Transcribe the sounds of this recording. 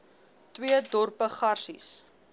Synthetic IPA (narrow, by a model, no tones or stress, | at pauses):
twiədɔrpəχɐrsḭs